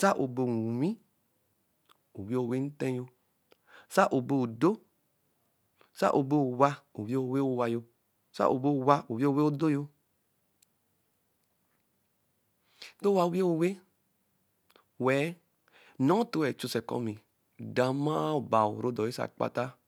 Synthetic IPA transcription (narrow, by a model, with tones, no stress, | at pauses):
sa˦ʔo˨be˨wĩ˦ | o˨wi˦e˦o˨we˦n̩˦tẽ˦jo˦ | sa˦ʔo˨be˦˨u˨do˦ | sa̰˦ʔo˨be˦u˨wa˦o˨we˦o˨we˦o˨wa˨jo˦ | sa̰˦ʔo˨bo˦˨wa˦o˨wi˦e˦o˨we˦o˦do˦jo˦ | to˦wa˨u˦we˦o˨we˦ | wɛ˨˦ | nɔ̃˦to˦wɛ˨t͡ʃu˦˨sɛ˨kɔ̰˦mi˨ | da˨ma˦˨ba˨o˨ɾo˦dɔ˨ji˦sa̰˨k͡pa̰˦ta˦